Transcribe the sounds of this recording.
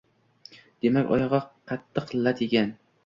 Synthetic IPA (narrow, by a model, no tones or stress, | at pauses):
d̪̥e̞makʲɒ̰jɒʁɑqʰɑt̪ʰːɨqlˠːat̪ʰekʲan